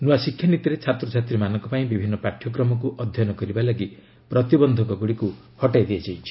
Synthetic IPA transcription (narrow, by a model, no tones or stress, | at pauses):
nuasikʰːjanit̪iɾet͡ʃʰat̪ɾɔt͡ʃʰat̪ɾimanɔŋkɔpaĩbibʱinːɔpɾaʈʰjɔkɾɔmɔk̬uʔɔd̪ʱjɔnɔkɔɾibalaɡi | pɾɔt̪ibɔnd̪ʱɔkɔɡuɽiku | hɔʈajd̪iad͡ʒajt͡ʃʰi̥